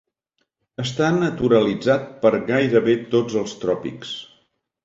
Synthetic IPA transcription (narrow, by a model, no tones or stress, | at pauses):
əst̪anət̪uɾəlid͡zat̪̚pəɾɣajɾəβet̪od͡zəlˠst̪ɾɔpḭks